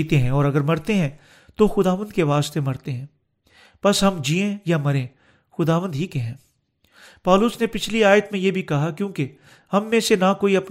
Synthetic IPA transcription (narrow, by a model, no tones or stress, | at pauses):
t̪eɦɛ̃ɔːɾɐɡəɾmɐɾt̪eɦɛ̃ː | t̪oxʊd̪aːʋə̃nd̪keʋaːst̪emɐɾt̪eɦɛ̃ː | pɐsɦɐmd͡ʒiːẽjamɐɾẽː | xʊd̪aːʋə̃nd̪ɦikɛɦɛ̃ː | pɔːlʊsnepɪt͡ʃʰliaːjət̪mẽjebʱikɐɦakjõːke | hɐmːẽsenakoːiɐp